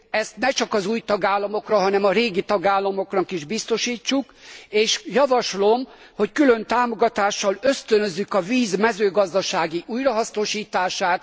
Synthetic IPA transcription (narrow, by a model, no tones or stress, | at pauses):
ɛst̪nɛt͡ʃɒkɒzuːjt̪ɒɡaːlːɒmo̞krɒɦɒnɛmɒɾeːɡit̪ɒɡaːlːɒmo̞knɒkiʒbist̪o̞ʃiːt͡ʃːukeːʃjɒvɒʃlo̞m | ho̞ckylø̞nt̪aːmo̞ɡɒt̪aːʃːɒlø̞st̪ønøzːykɒviːzmɛzøːɡɒzd̪ɒʃaːɡiʔuːjrɒɦɒsno̞ʃiːt̪aːʃaːt̪̚